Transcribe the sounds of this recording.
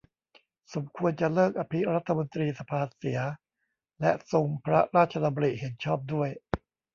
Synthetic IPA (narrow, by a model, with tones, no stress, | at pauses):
so˩˦mkʰu˧ənt͡ɕa˨˩lɤː˥˩k̚ʔaː˧pʰi˦˥ɾa˦˥t̪ʰːa˧mo˧nt̪ɾiː˧sa˧pʰaː˧si˩˦ɐ | lɛ˦˥so˧ŋpʰɾa˦˥ɾaː˥˩t̚t͡ɕʰa˧t̪ʰa˧bu˧ɾi˨˩ʔhe˩˦nt͡ɕʰɔː˥˩p̚du˥˩əj